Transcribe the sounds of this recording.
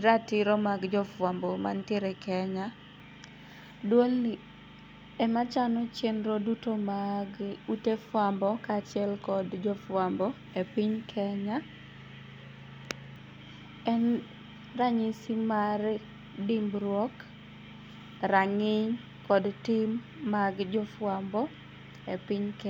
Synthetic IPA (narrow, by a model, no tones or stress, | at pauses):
ɾatɪɾɔmaɡd͡ʒɔfwambɔma̰ntjeɾekɛɲa | dwol | ɛmat͡ʃanɔt͡ʃenɾodutomaɡutefwambɔkat͡ʃɪɛlkɔdd͡ʒɔfwambɔ | epiɲkʰɛɲa | ɛn | raɲɪsimar | dɪmbɾwɔk | ɾaŋɪɲ | kɔdtɪmː | aɡd͡ʒɔfwambɔ | epiɲkɛ